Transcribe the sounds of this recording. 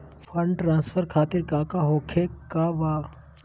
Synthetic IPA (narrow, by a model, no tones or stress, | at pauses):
fʰəɳɖʈɾãːnsfʰəɾkʰaːt̪ɪɾkakaɦoːkʰekaʋaː